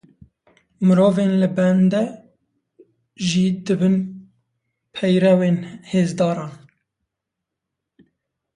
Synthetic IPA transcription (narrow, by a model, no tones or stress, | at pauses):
mɨɾoːvenlɨbɛnd̪ɛ | ʒid̪ɨbɨn | pʰɛjɾɛweːnheːzd̪ɑːɾɑːn